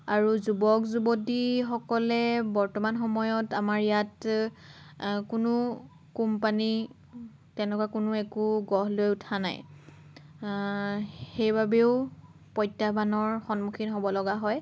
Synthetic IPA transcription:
aɹuzubɔkzubotixɔkɔlɛbɔɹtɔmanxɔmɔjɔtamaɹijat | kʊnʊ | kumpani | tɛnɛkwakʊnʊɛkuɡɔɦlojutʰana̰j | xejbabeʊ | pɔjtːabʱanɔɹxɔnmukʰinɦobɔlɔɡaɦɔj

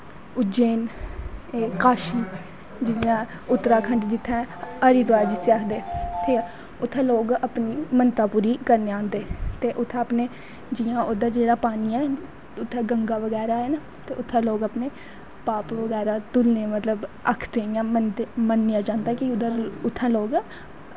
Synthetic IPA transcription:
ʊd͡ʒeːn | eːkaːʃiː | d͡ʒɪjãː | ʊt̪ːɾaːkʰəɳɖd͡ʒɪt̪ʰːɛ̃ːəɾiːd̪ʊaːd͡ʒɪsaːkʰd̪eːt̪eː | ʊt̪ʰːãːloːɡəpniːmənt̪aːpuːɾiːkəɾneːãːnd̪eːt̪eːʔʊt̪ʰːãːəpneː | d͡ʒɪjãːʊd̪aːd͡ʒeːɽaːpaːniːɛː | ʊt̪ʰːɛ̃ːɡəŋɡaːʋəɡɛːɾaːeːnaː | t̪eːʔʊt̪ʰːãːloːɡəpneː | paːpʋəɡɛːɾaːt̪ʊlneːmət̪ləbə̰kʰd̪eːjãːmənd̪emənːɪjãːd͡ʒãːnd̪aːkɪʊd̪aʊt̪ʰːãːloːɡ

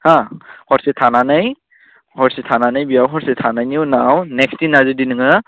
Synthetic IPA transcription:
hahɔɾsetʰananɯj | hɔɾsetʰananɯjbiawɦɔɾsetʰanajniwnawnekstinːazɯdinɯŋɯ

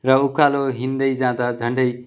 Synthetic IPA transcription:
rʌukʰaloɦind̪ʌjd͡zãd̪ad͡zʱʌɳɖʌj

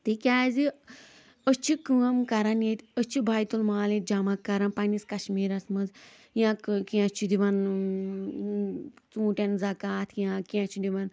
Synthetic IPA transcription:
t̪ikʲaːzi | əst͡ʃʰikɨɐmkɐɾɐnjet̪ʲət͡ʃʰibʱaːjt̪ulmaːlet̪̚d͡ʒɐmɐkːɐɾɐnpɐniskɐʃmiːɾɐsmɐnz | jãːkkĩat͡ʃʰid̪iʋɐn | t͡sũːʈʲɐnzɐkaːt̪ʰjãkiɐt͡ʃʰid̪iʋɐn

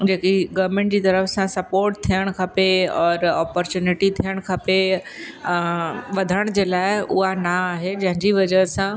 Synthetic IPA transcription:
d͡ʑeːkiɡɐʋɾmẽːɳʈ̚d͡ʑiːt̪ɐɾəfsãsɐpoːɾʈ̚t̪ʰijəɽ̃kʰɐpeɔːɾɔːpɔɾt͡ɕjuːnɪʈit̪ʰijəɽ̃kʰɐpe | ʋɐd̪ʱəəɽ̃d͡ʑeːlaːɪʊ̰ɦanaaːɦed͡ʑɐ̃ɦɪ̃ɲd͡ʑiʋɐd͡ʑəɾsã

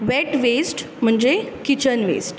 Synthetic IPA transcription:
ʋeʈʋesʈ | m̤əɳd͡ʑekit͡ɕənʋḛsʈ

